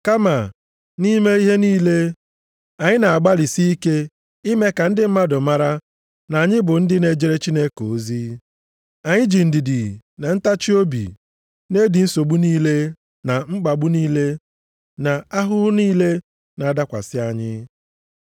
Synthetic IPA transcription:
ka˦ma˨ | ni˦me˦i˦ɦe˦niː˦le˦ | a˨ɲɪ˦na˨a˨ɡ͡ba˦li˨si˦i˦ke˦ | i˦me˦ka˨n̩˦dɪ˦m̩˦ma˦dʊ˨ma˦ɾa˦ | na˨a˨ɲɪ˦bʊ˨n̩˦dɪ˦ne˦d͡ʒe˦ɾe˦t͡ʃi˦ne˦ko˨˦zi˦ | a˨ɲɪ˦d͡ʒi˨n̩˨dɪ˨dɪ˨na˨n̩˦ta˦t͡ʃi˦o˦bḭ˨ | ne˦di˨n̩˦so˨ɡ͡bu˦niː˦le˦ | na˨ŋ͡m̩˦ɡ͡ba˨ɡ͡bu˦niː˦le˦ | na˨a˦ɦʊ˦ɦʊ˦niː˦le˦ | na˨da˦kʷa̰˨sɪ˦a˨ɲɪ˦

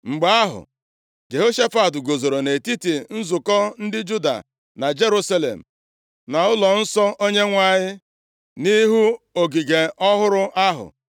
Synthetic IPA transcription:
ŋ͡m̩˨ɡ͡ba˨˦a˦ɦʊ̰˨ | d͡ʒe˨ɦo˦ʃa˦fa˨tʊ˨ɡo˨zo˨ɾo˨ne˨ti˦ti˨n̩˦zʊ˨kɔ˦n̩˦dɪ˦d͡ʒu˦da̰˨ | na˨d͡ʒe˦ɾu˦sa˦lḛ˨m̩˨ | na˨ʊ˦lɔ˨n̩˦sɔ˦ʔo˦ɲe˦ŋʷa˦ɲɪ˦ | ni˦ɦu˦o˨ɡi˨ɡe˨ɔ˦ɦʊ˦ɾʊ˦ʔa˦ɦʊ̰˨

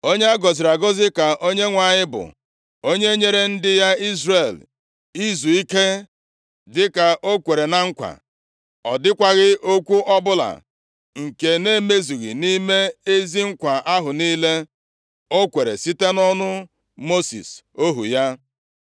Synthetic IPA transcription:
o˦ɲe˦a˦ɡɔ˨zɪ˨ɾa˨ɡɔ˦zɪ˦ka˨ʔo˦ɲe˦ŋʷa˨ɲɪ˦bʊ̰˨ | o˦ɲe˦ɲe˦ɾe˦n̩˦dɪ˦ja˦i˦zre˨l | i˦zu˨i˦ke˦ | dɪ˦ka˨ʔo˦kʷe˨ɾe˨na˦ŋ̩˦kʷa̰˨ | ɔ˨dɪ˦kʷa˨ɣɪ˦ʔo˦kʷu˦ʔɔ˦bʊ˦la̰˨ | ŋ̩˨ke˨ne˦me˦zu˨ɣḭ˨ni˦me˦e˦zi˦ŋ̩˦kʷa˨ʔa˦ɦʊ˨niː˦le˦ | o˦kʷe˨ɾḛ˨si˦te˦nɔ˦nʊ˦ | mo˦sḭ˨s | o˦ɦu˨ja˦

